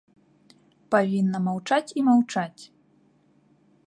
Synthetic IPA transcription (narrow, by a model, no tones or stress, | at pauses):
pavʲinːɐmawt͡ʂat͡sʲimawt͡ʂat͡sʲ